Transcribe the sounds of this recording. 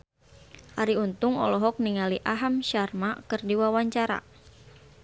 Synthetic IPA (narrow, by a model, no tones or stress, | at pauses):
aɾiunt̪ʊŋɔ̰lɔɦɔk̚niŋaliʔaɦamʃarmakɨrdiwawaɲt͡ʃaɾa̰